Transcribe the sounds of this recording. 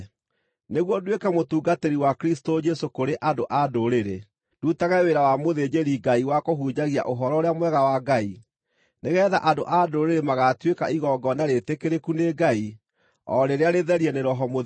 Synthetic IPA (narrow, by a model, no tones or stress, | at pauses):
neɣwɔdwekɛmotuːɡateɾiwakɾistod͡ʒɛsokoɾeʔadoʔadoɾeɾe | dutaɣaweɾawamoðed͡ʑeɾiɡaiwakoɦuːd͡ʑaɣia̰ʔoɦɔɾɔoɾeamwɛɣawaɡai | neɣɛːða̰ʔadoʔadoɾeɾemaɣatwekaiɣɔɡɔnaɾetekeɾekuneɡai | ɔɾeɾeaɾeðɛɾiɛneɾɔɦɔmo